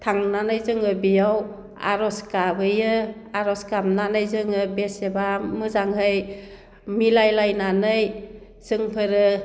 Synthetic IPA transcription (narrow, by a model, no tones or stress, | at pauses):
t̪ʰaŋnanɯjzɯŋɯbijaw | a̰ɾɔskabɯjɯ | aɾɔskamnanɯjzɯŋɯbesebamɯzaŋhɯj | milajlajnanɯj | z̥ɯŋpʰɯɾɯ